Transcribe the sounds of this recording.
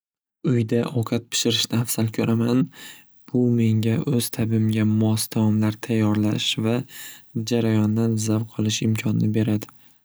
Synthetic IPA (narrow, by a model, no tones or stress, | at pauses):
ʊjd̪aʔɒkʰɑt̪̚pʰɪ̥ʃɪɾɪʃnɪafsalkʲʰɵɾʔaman | b̥ʊme̞ŋɡʲaʔɵz̥t̪ʰabɪmɡʲamɒsd̪amɒmlaɾt̪ʰajːɒɾlaʃvad͡ʒaɾajɒnd̪anzavqʰɒlˠɪʃɪmkʲʰɒnɪ̰nɪbe̞ɾad̪ɪ